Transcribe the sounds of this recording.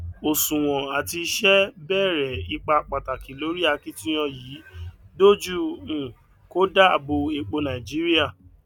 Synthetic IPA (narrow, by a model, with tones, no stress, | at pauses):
o˨sũ˨w̃ɔ̃˨a˨ti˧˦ʃɛ˦bɛ˦˨ɾɛ˨i˧k͡pa˧k͡pa˨ta˨ki˨lo˨˦ɾi˦a˦˨ki˦tĩ˦j̃ɔ̃˧jiː˨˦do˦d͡ʒu˦˨ũ˨ | ko˦da˦a˨bo˧e˧k͡po˧nã˨ĩ˨d͡ʒi˨˦ɾi˦a˦˨